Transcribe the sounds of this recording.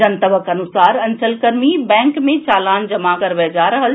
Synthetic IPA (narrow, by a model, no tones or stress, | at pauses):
ənt̪əbʱəkɐnusaːɾɐnsəlkəɾmibɛ̃ːŋkmẽt͡ʃaːlaːnd͡ʒɐmakəɾʋɛd͡ʒaɾəɦəl